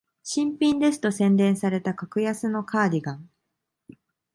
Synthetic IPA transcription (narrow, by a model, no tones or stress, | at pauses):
ɕĩmpʲĩnd̪e̞s̬ɨ̥t̪o̞sẽ̞nd̪ẽ̞ɰ̃saɾe̞t̪akakɯ̟jasɨno̞kʰaːdʲiɡãŋ